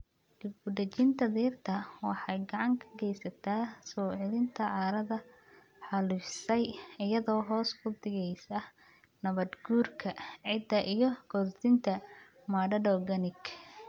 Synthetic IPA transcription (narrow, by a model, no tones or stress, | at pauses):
d͡ʒʊbʊd̪ɐt͡ʃɪnt̪ʰɐðiːrt̪ʰɐwɑħɑjɡɑʕɑŋkʰɐ̥ɡɛjsɐt̪ʰaːsɔːʕɪlɪnt̪ʰɐʕɑːɾɐðɐ | ħɑlɪfsɛjɪjɐðɔːɦɔːskʊd̪ɪɣɛjsɐ | nɐβɐd̪ɡuːrkʰɐʕɪd̪ɐʔijɞɡɔdd̪ɪnt̪ʰɐ | maɖɐɖɔːɡɐnɪɡ